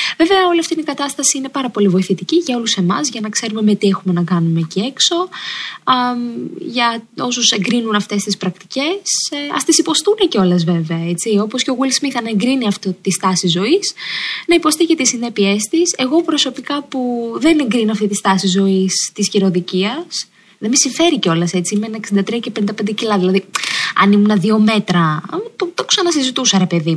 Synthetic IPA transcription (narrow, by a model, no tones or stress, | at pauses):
ve̞veɐo̞liɐft̪inikɐt̪ɐst̪ɐsiine̞pɐɾɐpo̞livo̞iθit̪iciʝɐo̞luse̞mɐzʝɐnɐkse̞ɾume̞me̞t̪iexume̞nɐkɐnumecie̞kso̞ | mʝɐo̞suse̞ŋɡɾinunɐft̪e̞st̪ispɾɐkt̪i̥ce̞sɐ̰st̪isipo̞st̪uneceo̞lezve̞veɐe̞t͡sio̞po̞sceoɣulszmiθɐnɐeŋɡɾiniɐft̪ot̪ist̪ɐsizo̞isnɐipo̞st̪icet̪isːine̞pie̞st̪ise̞ɣo̞pɾo̞so̞pikɐpuðe̞neŋɡɾinoɐft̪it̪ist̪ɐsizo̞ist̪isçiɾo̞ðiciɐs | ðemisiɱfe̞ɾiceo̞lɐse̞t͡siimenɐeksind̪ɐt̪ɾiɐcepe̞nind̪ɐpend̪ecilɐðilɐðiɐ̰nimunɐðio̞me̞t̪ɾɐt̪ot̪oksɐnɐsizit̪usɐɾe̞pe̞ði